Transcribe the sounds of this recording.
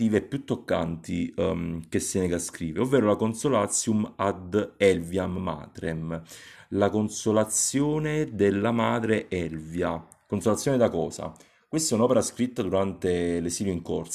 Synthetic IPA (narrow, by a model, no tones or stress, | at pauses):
iːveɛpːjut̪ːokːa̰nt̪i | kesːeneɡaskɾiːveovːeːɾolakonsolat̪sjumad̪ɛlvjamːa̰ːt̪ɾɛmlakonsolat̪sjoːned̪elːamaːd̪ɾeʔɛlvja | konsolat̪sjoned̪akɔːsa̰ | kwest̪ɛunɔːpeɾaskɾit̪ːad̪uɾant̪elesiːljoiŋkors